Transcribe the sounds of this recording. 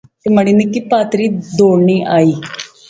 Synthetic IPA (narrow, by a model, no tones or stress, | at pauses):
t̪eməɽ̃iːnikiːpaːt̪ɾiːd̪oːɽɳiːʔaːiː